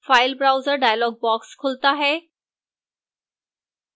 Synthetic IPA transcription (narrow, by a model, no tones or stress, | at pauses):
faɪlbɾawzəɾɖajlɔːɡ̚bɔkskʰolt̪aɦe